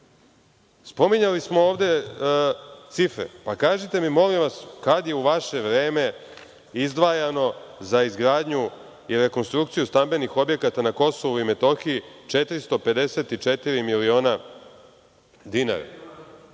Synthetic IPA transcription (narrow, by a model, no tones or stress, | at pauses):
spo̞miɲalismo̞oːʋd̪e̞ | t̪sifɾḛpakaːʒit̪e̞mimo̞limʋaskad̪je̞uʋaʃe̞ʋɾe̞ːme̞ | izd̪ʋajano̞zaizɡɾaːd̪ɲu | iɾe̞ko̞nst̪ɾuk̚t̪sijust̪ambe̞nixo̞bje̞kat̪anako̞so̞ʋuime̞t̪o̞xiit͡ʂe̞t̪ɾist̪o̞pe̞d̪e̞set̪it͡ʂet̪iɾimilio̞ːna | d̪ina̰ɾa̰